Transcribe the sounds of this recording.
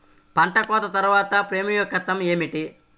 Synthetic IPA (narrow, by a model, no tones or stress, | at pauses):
pɐɳʈɐkɔːt̪ɐt̪ɐɾuʋaːt̪ɐpɾe̞ːmijɔkːɐt̪ːɐme̞ːmiʈi